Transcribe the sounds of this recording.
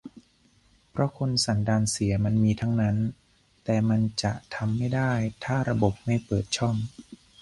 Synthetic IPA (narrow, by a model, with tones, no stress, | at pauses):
pʰɾɔ˦˥kʰo˧nsa˩˦ndaː˧nsi˩˦ɐma˧nmiː˧t̪ʰa˦˥ŋna˦˥n | t̪ɛː˨˩ma˧nt͡ɕa˨˩ʔt̪ʰa˧mːa˥˩jdaː˥˩jt̪ʰaː˥˩ɾa˧bo˨˩p̚ma˥˩jpɤː˨˩t̪̚t͡ɕʰɔ˥˩m